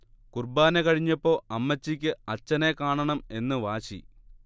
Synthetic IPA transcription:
kurbaːnekɐɻiɲːɐpːo̞ːɐmːɐt͡ɕːikʲːɨɐt͡ɕːɐne̞kaːɳɐɳɐme̞nːɨʋaːɕḭ

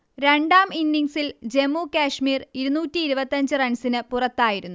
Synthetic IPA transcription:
ɾe̞ɳɖaːminːiŋsild͡ʑe̞mːuːkaːʂmiːriɾunuːtːiːɾubɐt̪ːɐɲd͡ʑɨrɐɳsinɨpurɐt̪ːaːjiɾunːu

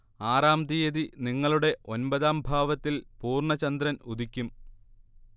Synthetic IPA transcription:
aːraːmd̪ijɐðiniŋːɐɭuɽe̞ʔo̞nbɐðaːmbʱaːʋɐt̪ːilpuːrɳɐt͡ɕɐnd̪ɾɐnud̪ikʲːum

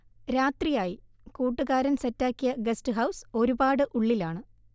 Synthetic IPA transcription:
ɾaːt̪rijaːji | kuːʈːuɣaːɾɐnsɐtːaːkːijɐɡɐstɨɦɐwso̞ɾubaːɽɨʔuɭːilaːɳɨ

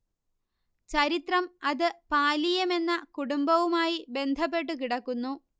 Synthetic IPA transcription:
t͡ɕɐɾit̪rɐmɐðɨpaːlijɐme̞nːɐkuɽumbɐʋumaːjibe̞nd̪ʱɐp̬ːe̞ʈ̬ːukiɽɐkːunːu

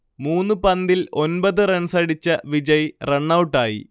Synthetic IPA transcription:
muːnːupɐnd̪ilo̞nbɐðɨreɳsɐɽit͡ɕːɐʋid͡ʑɐjreɳːɐwʈːaːjḭ

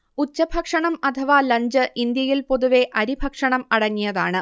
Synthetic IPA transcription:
ut͡ɕːɐbʱɐkʂɐɳɐmɐt̪ʰɐʋaːlɐɲd͡ʑɨʔind̪jɐjilpo̞ðuʋe̞ʔɐɾibʱɐkʂɐɳɐmɐɽɐŋːijɐðaːɳɨ

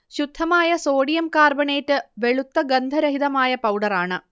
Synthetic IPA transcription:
ɕud̪ʱːɐmaːjɐso̞ːɽijɐmkaːrbɐɳeːtːɨʋe̞ɭut̪ːɐɡɐnd̪ʱɐɾɐɦiðɐmaːjɐpɐwɖɐraːɳɨ

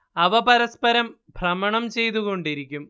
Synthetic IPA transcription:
ɐʋɐpɐɾɐspɐɾɐm | bʱrɐmɐɳɐmt͡ɕe̞jt̪uɣo̞ɳɖiɾikʲːum

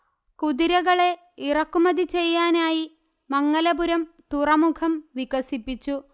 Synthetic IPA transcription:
kuðiɾɐɣɐɭe̞ | irɐkːumɐðit͡ɕe̞jːaːnaːji | mɐŋːɐlɐbuɾɐm | t̪urɐmukʰɐmʋiɣɐsipːit͡ɕːu

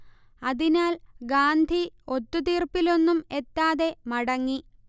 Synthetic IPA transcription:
ɐðinaːlɡaːnd̪ʱio̞t̪ːut̪iːrpilo̞nːume̞t̪ːaːðe̞mɐɽɐŋːi

